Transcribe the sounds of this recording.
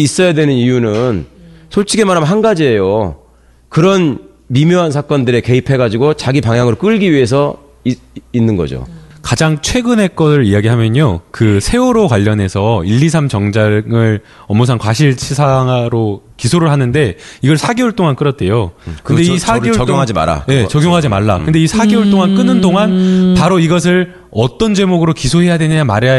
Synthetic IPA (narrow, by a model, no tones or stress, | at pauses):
is͈ʌjadwe̞nɯnijunɯnsʰoɭt͡ɕʰiɡe̞maɾɦamnɦanɡad͡ʑie̞jo | kɯɾʌn | mimjoɦansʰak͈ʌndɯɾe̞ke̞ipʰe̞ɡad͡ʑiɡot͡ɕaɡipaŋjaŋɯɾok͈ɯɭɡiɥiɦe̞s̬ʰʌ | inːɯnɡʌ̰d͡ʑo̰kad͡ʑaŋt͡ɕʰwe̞ɡɯnɦe̞k͈ʌsɯɾijaɡiɦamjʌɲokɯsʰe̞oɾokwaʎːʌne̞sʰʌiʎːis̬ʰamt͡ɕʌŋd͡ʑaŋɯɭ | ʌmːos̬ʰaŋkwaɕ̬ʰiɭt͡ɕʰisʰaŋaɾo | kisʰoɾɯɭɦanɯnde̞iɡʌɭsʰaɡeuɭt͈oŋank͈ɯɾʌt̚t͈e̞jokɯndeisʰaɡeoɭɡoŋad͡ʑima̰ɾa̰je̞t͡ɕʌɡjoŋɦad͡ʑimaɭːa̰kkɯnde̞isʰaɡeuɭt͈oŋank͈ɯnɯndoŋanpaɾoiɡʌs̬ʰɯɭ | ʌt͈ʌnd͡ʑe̞moɡɯɾokisʰoɦe̞jadwenɯɲamaɾea